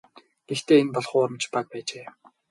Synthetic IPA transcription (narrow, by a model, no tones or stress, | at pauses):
ɡ̥ext̪eːenpɔɮχʊːɾə̆mt͡ɕpak̚pæːt͡ɕeː